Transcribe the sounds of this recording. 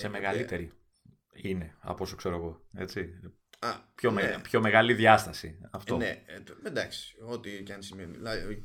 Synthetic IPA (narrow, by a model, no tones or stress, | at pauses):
se̞meɣɐlit̪e̞ɾi | ine̞ɐ̰posokse̞ɾoeɣo̞e̞̰t͡si | ɐpço̞mepço̞me̞ɣɐliðʝɐst̪ɐsiɐfto̞nemed̪ɐksi̥ot̪icɐnsimenlɐ